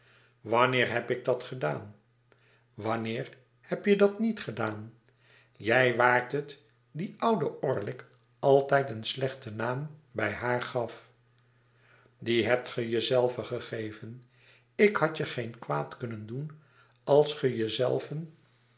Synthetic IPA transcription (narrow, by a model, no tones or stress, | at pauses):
ʋɑnɪːɹɦɛpɪɡ̚dɑtχədaːn | ʋɑnɪːɹ | hɛpjədɑtnitχədaːn | jɛjʋaːɹtət | diʔʌwdəʊːɹlɪk | ɑlˠtɛjtənslɛχtənaːmbɛjɦaːɹχɑf | diɦɛp̚tχəjəzɛlˠvəχəχejvən | ɪkhɑtjəχejnkʋaːtkɵnəndun | ɑlˠsχəjəzɛ̰lˠvən